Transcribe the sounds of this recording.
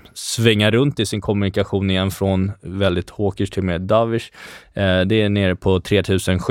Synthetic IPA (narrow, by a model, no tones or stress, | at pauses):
svɛŋːaɾɵnt̪ɪsɪŋkʰɔmɵnɪkaɧuːnɪjɛnfɾɔnvɛld̪ɪt̪hoːkəʂʈ̪ʰɪlmeːd̪avɪʂ | d̪ɛːɳeːɾəpʰɔt̪ʰɾeːt̪ʰʉ̟ːsənɧ